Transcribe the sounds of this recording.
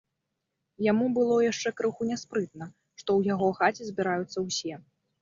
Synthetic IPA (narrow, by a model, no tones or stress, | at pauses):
jamubɨlˠɔjaʂt͡ʂɛkɾɨxunʲɛspɾɨt̪̚nɐ | ʂt̪ɔwjaɣɔxat͡sʲizʲbʲiɾajut̪sːɐwsʲɛ